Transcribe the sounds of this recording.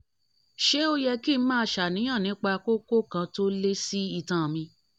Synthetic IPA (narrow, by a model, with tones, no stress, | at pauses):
ʃe˦o˦jɛ˧ki˦n̩˦mãː˦˧ʃa˨nĩ˨˦ã˦˨nĩ˨˦k͡pa˧ko˦ko˦kã˧to˦le˦si˦i˧˨tã˨mĩ˧